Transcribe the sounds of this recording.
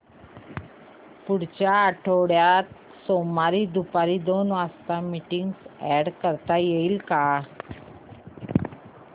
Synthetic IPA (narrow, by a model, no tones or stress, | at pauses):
puɽt͡ɕjaːʈʰoɽjat̪̚ | somaɾiːd̪upaɾiːd̪onʋast̪amiʈiŋɡsɛɽkəɾt̪ajeiːlka